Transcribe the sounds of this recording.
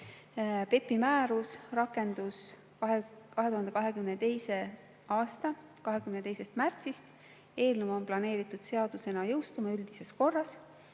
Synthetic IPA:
pe̞pːimæːɾusrɑkːˑe̞nd̪̥us | kɑɦe̞t̪uɦɑnd̪e̞kɑɦe̞kymnet̪e̞jse̞ | ɑːst̪ɑ | kɑɦekymnet̪e̞jse̞st̪mært̪sist̪ | e̞ːlnumomplɑne̞ːɾit̪ːˑud̪̥se̞ɑd̪̥use̞nɑjɤwst̪umɑyld̪̥ise̞sko̞rːɑs

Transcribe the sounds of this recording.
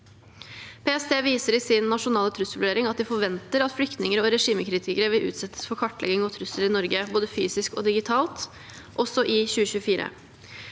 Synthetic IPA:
pʰeːɛst̪ʰeːʋiːsəɾɪsɪnːɑʂʊnɑːlət̪ʰɾʉsʋʊɖeːɾɪŋɑt̪̚d̪ɪfɔɾʋɛnt̪əɾɑt̪flʏkt̪nɪŋəɾɔɾɛʂiːməkɾiːt̪ʰɪkəɾəʋɪlʔʉ̰ːt̪sɛt̪ʰːə̥sfɔɾkʰɑʈːlʔɛ̰ɡɪŋɔt̪ʰɾʉsəlɪnɔɾɡəboːd̪əfyːsɪskɔ̰d̪ɪɡɪt̪ʰɑːlt̪ | ʔɔsɔʔɪçʉːəɕʉːəfiːɾə̰

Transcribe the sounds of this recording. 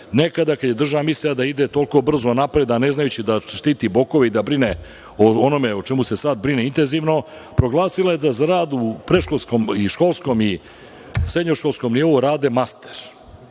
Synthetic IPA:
ne̞kad̪akad̪jed̪r̩ʒamislilad̪aid̪et̪o̞lˠko̞br̩zonapɾe̞d̪ane̞znajut͡ɕid̪aʃt̪iːt̪ibo̞ko̞ʋeid̪abɾine | oono̞meot͡ʃemuse̞saːd̪bɾineint̪e̞nziːʋno̞ | pɾo̞ɡlˠaːsilajed̪azɾaːd̪upɾeʃkolˠskomiʃko̞lˠsko̞mi | sɾed̪ɲoʃkolsko̞mnio̞ʋoɾaːd̪emast̪eɾ

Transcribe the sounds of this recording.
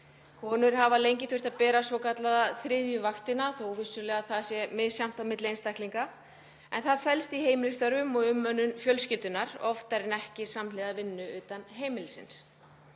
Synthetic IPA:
kʰɔːnʏɾ̥ɦavalejɲcɪθʏr̥t̪aðpɛːɾasvɔkat̪laðaθɾɪðjʏvaxt̪ɪnaθovɪsʏɾlɛːɣaθasjɛmɪsjam̥t̪awmɪt̪lɪejnst̪ajhk̪liŋka | ɛnθaðfɛlst̪iɦeːjmɪlʏst̪œɾʏmɔɣʏmːœnʏnfjœlscɪlt̪ʏnaɾɔft̪aɾɪnɛhcɪɾ̥samlɪːðavɪnːʏʏːt̪anɦeːjmɪlɪsɪ̰ns

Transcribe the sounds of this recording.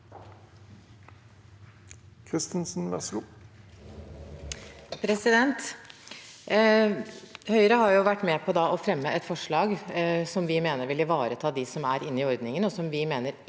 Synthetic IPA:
kʰʁɪst̪ənsn̩ʋɛ̰sʊ | pʰɾɛsɪd̪ɛnt̪ | hœʏɾəhɑɾjʊʋæʈːmɛpʰɔd̪ɑʔɔfɾɛmːəʔɛt̪fɔʂɭɑːɡsɔmʋɪmeːnəɾʋɪlɪʋɑːɾət̪ʰɑːd̪ɪsɔmæɾɪnːɪɔɾd̪nɪŋənɔsɔmʋɪmeːnəɾ

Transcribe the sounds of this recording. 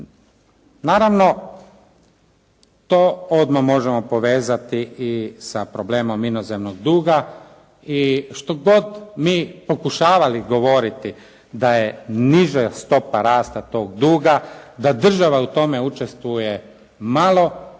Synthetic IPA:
naːɾaʋno̞ | t̪oːod̪mamo̞ʒemopo̞ʋeːzat̪iisapɾo̞ble̞ːmo̞minozemnoɡ̚d̪uːɡa | iʃt̪o̞ɡo̞d̪miːpo̞kuʃaːʋaliɡo̞ʋo̞ɾit̪i | d̪ajeniʒast̪o̞paɾaːst̪at̪o̞ːɡd̪uːɡad̪ad̪r̩ʒaʋaut̪o̞meut͡ʃest̪ʋuje | malˠo̞

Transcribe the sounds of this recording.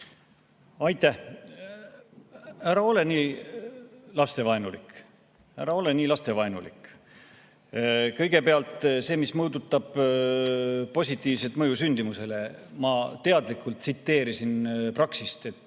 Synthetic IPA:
ɑjt̪ːæh | æɾɑo̞le̞niː | lɑst̪evɑenulḭkˑ | æɾɑo̞le̞niːlɑst̪e̞vɑenulḭk | kɤ̞jɡ̥e̞peɑlt̪ˑse̞ːmismɤːd̪ut̪ːˑɑb̥ | po̞sʲit̪ːˑiːvse̞lt̪mɤjusynʲd̪̥imuse̞le̞mɑt̪e̞ɑd̪likˑult̪sit̪ːe̞ːɾisinprɑksist̪e̞t̪ːˑ

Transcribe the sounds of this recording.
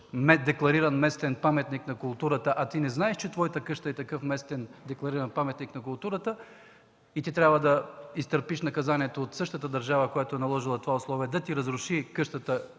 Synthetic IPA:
mɛd̪ɛklˠɐɾiɾɐnmɛst̪ɛnpamɛt̪niknɐkʊlˠt̪uɾət̪əʔat̪inɛznaɛʃt͡ʃɛt̪vɔjit̪əkɤʃt̪ɐɛt̪ɐkɤfmɛst̪ɛnd̪ɛklˠɐɾiɾɐnpamɛt̪niknɐk̬ʊlˠt̪uɾət̪ə | it̪it̪ɾʲabvəd̪ɐist̪əɾpiʃnɐkɐzaniɛt̪oːt̪sɤʃt̪ət̪əd̪ɐɾʒavəkojat̪oɛnɐlˠɔʒilˠɐt̪ovaʊslˠɔviɛd̪ɐt̪iɾɐzɾʊʃikɤʃt̪ət̪ə

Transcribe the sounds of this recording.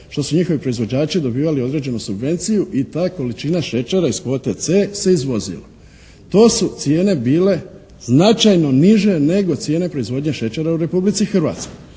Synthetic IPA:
ʃt̪o̞suɲixoʋipɾo̞izʋo̞d͡ʑaːt͡ʃid̪o̞biːʋalio̞d̪ɾe̞ːd͡ʑe̞nusubʋe̞nt̪sijuʔit̪aːko̞lit͡ʃinaʃe̞t͡ʃeɾaisko̞ːt̪et̪se̞ːse̞izʋo̞zḭlo | t̪o̞ːsut̪sje̞ːne̞biːle̞ | znat͡ʃajno̞niʒe̞ne̞ɡo̞t̪sje̞ːne̞pɾo̞izʋo̞ːd̪ɲeʃe̞t͡ʃeɾauɾe̞publit̪sixr̩ʋa̰ːt̪skoj

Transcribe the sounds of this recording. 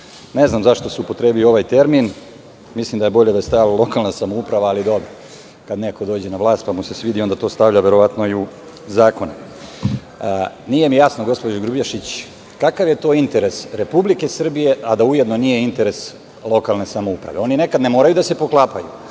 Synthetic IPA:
ne̞znamzaʃt̪o̞suupo̞t̪ɾeːbiloo̞ʋajt̪e̞ɾmin | mislimd̪aje̞bo̞ʎed̪ast̪aallˠo̞kalnasamoupɾaʋaːlid̪o̞bɾa | kad̪neko̞d̪o̞ːd͡ʑenaʋlˠaːst̪̚pamuse̞sʋiːd̪iond̪at̪o̞ːst̪aʋʎaʋe̞ɾo̞ʋat̪noiu | zaːko̞ne | nije̞mijasnoɡo̞spod͡ʑuɡɾubjaʃit͡ɕ | kakaʋjet̪o̞ːint̪e̞ɾesɾe̞publike̞sr̩bije̞ʔad̪aujed̪no̞nije̞int̪e̞ɾe̞s | lˠo̞kalne̞samo̞upɾa̰ʋe̞o̞nine̞kad̪nemo̞ːɾajud̪ase̞po̞klˠaːpajṵ

